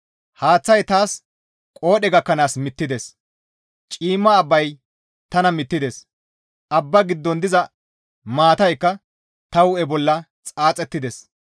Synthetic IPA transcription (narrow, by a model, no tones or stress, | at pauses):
haːt͡sːɐjt̪aːs | kʼo̞ːɗɛɡɐkːɐnaːsmɪt̪ːɪd̪ɛs | t͡ʃʼiːmːɐːbːɐj | t̪ɐnɐmɪt̪ːɪd̪es | ʔɐbːɐɡɪd̪ːɔnd̪ɪzɐ | maːt̪ɐjkːɐ | t̪ɐwɛbɔlːɐ | t͡sʼaːt͡sʼɛt̪ːɪd̪ɛs